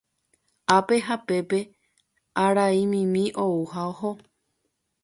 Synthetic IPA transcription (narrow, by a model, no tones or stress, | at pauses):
ape̞ɦape̞pe̞ | aɾaimĩmĩʔo̞uhaoho